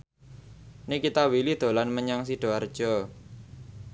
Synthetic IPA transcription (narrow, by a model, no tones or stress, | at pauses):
nikit̪awilid̪̥o̤lanməɲaŋsiɖ̥ɔ̤ard̥ʒ̥ɔ